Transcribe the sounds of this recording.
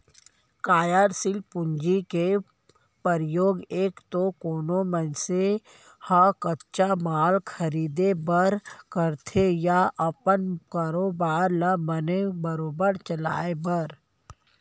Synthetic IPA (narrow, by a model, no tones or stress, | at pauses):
kaːjaɾsɪlpʊ̃ɲd͡ʒike | pəɾjoːɡeːkt̪okoːnomənse | hakətt͡ʃamaːlkʰɐɾiːd̪ebəɾkəɾt̪ʰejaʔɐpənkaːɾoːbaːɾlabənebəɾoːbəɾt͡ʃəla̰ːebəɾ